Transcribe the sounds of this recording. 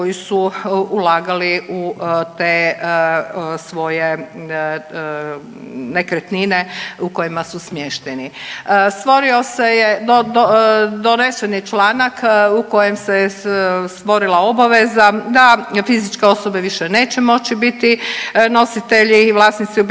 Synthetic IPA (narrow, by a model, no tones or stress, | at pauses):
ojisuːlaːɡaliʔut̪eː | sʋo̞je | nekɾet̪nineuko̞jimasusmjeʃt̪enist̪ʋo̞ɾio̞sejed̪od̪od̪onesenit͡ʃlaːnakuko̞jemse | st̪ʋo̞ɾilˠao̞baʋezad̪afizit͡ʃkeo̞so̞be̞ʋiʃene̞ːt͡ɕemo̞t͡ɕibit̪ino̞sit̪e̞ʎiʋlasnit̪siub